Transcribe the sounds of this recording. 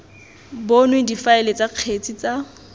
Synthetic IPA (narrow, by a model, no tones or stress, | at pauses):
bonwedifaɪlet͡sʼaq͡χʰet͡sʼit͡sa